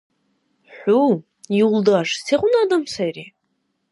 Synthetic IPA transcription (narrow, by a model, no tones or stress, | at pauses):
ħʷu | iwldaʂseqʷʊnadɨmsajri